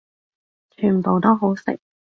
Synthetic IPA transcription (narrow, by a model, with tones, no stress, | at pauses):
t͡ʃʰyː˨˩npo˨wt̪o˥wɦo˨˥wsɪ̰˨k̚